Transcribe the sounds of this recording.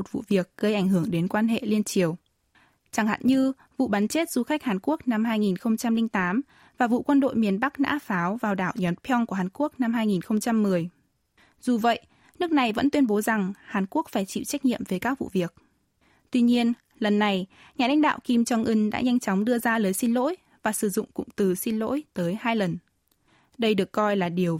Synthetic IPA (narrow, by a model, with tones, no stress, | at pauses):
mo˨˩t̚vṵ˧˨vi˨˩ək̚ɣə˧jʔa˧˩jŋ̟ɦɨ˧˩əŋɗe˨˦nkwaː˧nɦḛ˧˨li˧ənt͡ɕi˨˩əw | t͡ɕa˧˩ŋha̰ː˧˨nɲɨ˧ | vṵ˧˨ɓa˨˦nt͡ɕe˦˥t̚z̥u˨˦xa˦˥k̚haː˨˩nku˦˥ək̚na˧mɦaː˧jŋi˨˩nxə˧wŋ͡mt͡ɕa˧mlï˧ŋt̪aː˨˦m | vaː˨˩vṵ˧˨kwə˧nɗo̰˧˨jmi˨˩ənɓa˦˥k̚na̰ː˧˥faː˨˦wvaː˨˩wɗaː˧˩wɲɔ˨˦npʰɔ˧ŋku˧˩əɦaː˨˩nku˦˥ək̚na˧mɦaː˧jŋi˨˩nxə˧wŋ͡mt͡ɕa˧mːɨ˨˩əj | z̥u˨˩və̰˧˨j | nɨ˦˥ək̚na˨˩jvə̰˧˥nt̪wi˧ənɓo˨˦za˨˩ŋhaː˨˩nku˦˥ək̚faː˧˩jt͡ɕḭ˧˨t͡ɕa˦˥k̚ɲḭ˧˨əmvəː˨˩˦kaː˦˥k̚vṵ˧˨vi˨˩ək̚ | t̪wi˧ɲi˧ən | lə˨˩nːa˨˩j | ɲaː˨˩la̰˧˥jŋ̟ɗa̰ː˧˨wki˧mt͡ɕɔ˧ŋʔɨ˧ŋɗa̰ː˧˥ɲa˧jŋt͡ɕɔ˨˦wŋ͡mɗɨ˧əzaː˧ləː˨˦jsi˧nlo̰˧˥j | vaː˨˩sɨ˧˩zʊ̰˧˨ŋ͡mkʊ̰˧˥ŋ͡mt̪ɨ˨˩si˧nlo̰˧˥jt̪əː˨˦jhaː˧jlə˨˩n | ɗə˧jɗɨ˨˩əkːɔ˧jlaː˨˩ɗi˨˩əw